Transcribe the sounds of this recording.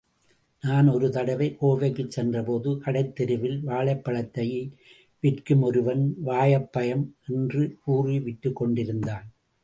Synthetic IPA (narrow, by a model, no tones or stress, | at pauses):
naːnɔɾɯt̪ɐɽɐʋɐɪʔoːʋɐkːɯt͡ʃsɛndrɐpoːðɯkɐɽɐɪt̪ːɛɾɯʋɪlʋaːɭɐɪpːɐɭɐt̪ːɐj | ʋɪrkɯmɔɾɯʋɐnʋaːjɐpːɐjɐmɛndrɯkuːriʋɪʈːɯkːɔɳɖɪɾɯnd̪aːn